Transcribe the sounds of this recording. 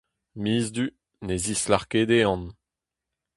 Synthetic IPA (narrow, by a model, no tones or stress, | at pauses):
miːzd̪y | nezislaʁkeːd̪eɑ̃n